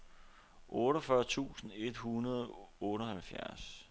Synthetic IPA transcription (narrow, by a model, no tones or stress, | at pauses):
ʔɔːɾɒfɶɐt͡sʰṵːsn̩e̝d̥hunɐð̞ˠɔːɾɒhælfjæɐs